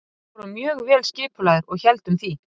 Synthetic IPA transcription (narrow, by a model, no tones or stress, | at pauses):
ɾʏmjœːɣvɛːlscɪːpʰʏlaðʏɾɔɣçɛlt̪ʏmθi